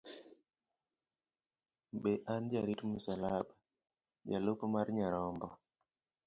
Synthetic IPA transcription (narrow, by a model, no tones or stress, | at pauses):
beʔand͡ʒaɾitmusalaɓa | d͡ʒa̰lopmaɾɲaɾɔmbɔ